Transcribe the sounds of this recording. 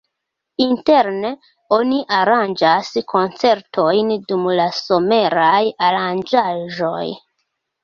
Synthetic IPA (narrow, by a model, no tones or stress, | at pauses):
inte̞ɾne̞ | o̞niʔaɾand͡ʒaskʰo̞nt͡se̞ɾtʰo̞jndumlaso̞me̞ɾajaɾand͡ʒaʒo̞̰j